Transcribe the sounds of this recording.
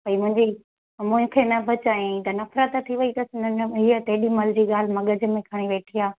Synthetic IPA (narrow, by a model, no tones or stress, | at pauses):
pɐimʊ̃ɦɪ̃ɲd͡ʑi | mʊ̃ɦɪ̃kʰenɐbʱɐt͡ɕaːĩt̪ɐnɐfɾət̪t̪ʰːiʋɐit̪ɐsɪ̃nd̪ənɦiət̪ɐɦɪɗimɐld͡ʑiːɠaːl̤ɪmɐɠəd͡ʑ̆mẽkʰaːɽ̃iʋeːʈʰiaː